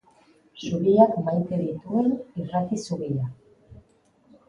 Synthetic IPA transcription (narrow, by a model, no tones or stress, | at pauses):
ʃuβiakmajt̪eðit̪uenirat̪isuβia